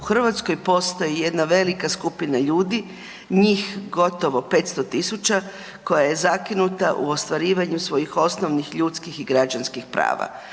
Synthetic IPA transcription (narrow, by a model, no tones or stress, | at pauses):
uxr̩ʋat̪sko̞jpo̞st̪ojije̞d̪naʋe̞likaskupinaʎuːd̪i | ɲiːxɡo̞t̪o̞ʋo̞pe̞t̪st̪ot̪isut͡ɕa | ko̞jaje̞zakinut̪aʔṵost̪ʋaɾiːʋaɲusʋo̞jixo̞snoʋnixʎut̪skixiɡɾad͡ʑanskixpɾa̰ːʋa̰